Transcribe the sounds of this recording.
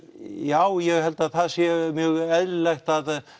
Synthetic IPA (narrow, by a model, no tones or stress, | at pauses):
jawjɛɣhɛlt̪aðθaðsjɛɾmjœːɣɛðlɪlɛxt̪að